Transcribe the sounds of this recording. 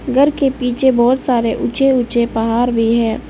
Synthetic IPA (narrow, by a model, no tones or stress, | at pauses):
ɡʱəɾkepiːt͡ʃʰebɔːt̪saːɾeʔʊt͡ʃeʊt͡ʃepɐɦaːɾbʱiɦɛ̃ː